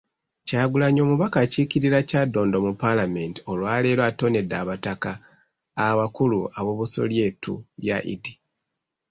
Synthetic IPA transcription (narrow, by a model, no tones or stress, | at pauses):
caːɡulaɲo̞ːmuβakaciciɾiɾacaːdːo̞ːndo̞mupalame̞nti̥o̞lwaːle̞ːlwato̞ne̞dːaːβatakaː | βakuluaβoβuso̰lje̞ːtṵljaʔḭdi